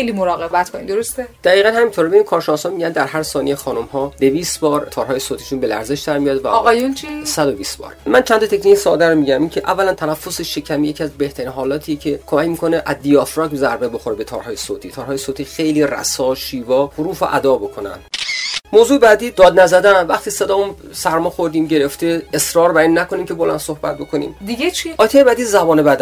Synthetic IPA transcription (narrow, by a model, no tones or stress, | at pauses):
ejlimoɾɒːɣebæt̪koind̪oɾost̪ed̪̥æɣiːɣænhæmint̪ʰoɾbeinkʰɒːɾʃenɒːsɒːnmiɟænd̪æɾɦæɾsɒːnḭjexɒːnomhɒːd̪e̞viːst̪bɒːɾt̪ʰɒːɾɦɒːjesoːt̪ʰi̥ʃunbe̞læ̰ɾze̞ʃd̪æɾmijɒːd̪væ̰ɣɒjunt͡ʃʰisæd̪obiːst̪bɒ̰ːɾmænt͡ʃʰænt̪ʰɒt̪ʰecʰniːcsɒːd̪æɾomiːɟæmincʰeʔævːælænt̪ʰænæfːo̞seʃe̞cʰæmijecʰiæzbe̞ht̪ʰæɾiːnɦɒːlɒːt̪ʰijecʰe̞kʰomæcmiːkʰo̞neʔæzd̪ijɒfɾɒːkzæɾbebo̞xoɾebe̞t̪ʰɒ̰ːɾɒːjesoːt̪ʰiːt̪ʰɒːɾɦɒːjesoːt̪ʰiːxe̞jliːræ̰sɒːʃiːvɒːhoɾuːfo̰ʔæ̰d̪ɒːbo̞kʰo̞næ̰nd̥moːzuːebæːd̪iːd̪ɒːd̪næzæd̪ænvæχt̪ʰiːsed̪ɒːunsæɾmɒːxoɾd̪iːmɟe̞ɾe̞ft̪eesɾɒːɾbæɾinːækʰo̞nimcʰe̞bolænd̪̥sohbæ̰t̪̚bo̞kʰonḭːmd̪iɡet͡ʃʰiʔɒːjt̪ʰejebæːd̪izæbɒːnebæd̪æ